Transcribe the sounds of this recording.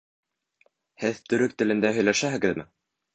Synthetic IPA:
hɘðt̪ɵ̆ɾɵk̚t̪ɘ̆lɘ̆nd̪æɦɵ̆jlæʃæɦɘ̆ɡɘ̆ðmɘ

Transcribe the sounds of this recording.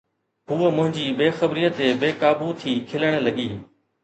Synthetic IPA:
ɦuːəmʊ̃ɦɪ̃ɲd͡ʑiːbeːxəbɾiːət̪ebeːkaːbut̪ʰiːkʰɪləɽ̃̆lɐɠiː

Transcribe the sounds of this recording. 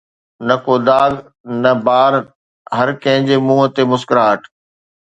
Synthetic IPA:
nɐkoːd̪aːɡ | nɐbaːɾ | ɦɐɾkɐ̃ɦɪ̃ɲd͡ʑemũːɦə̆t̪emʊskɾaːʈʰ

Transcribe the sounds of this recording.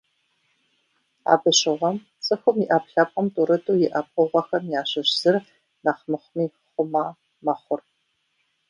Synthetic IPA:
a̰ːbɨɕɪʁʷɐm | t͡sʼɨxʷʊmiʔɐpɬɐpʼqʼɐmtʼuːɾɨtʼuːjɪʔɐp̚ʼʊʁʷɐxɐmjaːɕɐɕz̥ɨr | naχmɨχʷmiː | χʷʊmaː | mɐχʷʊr

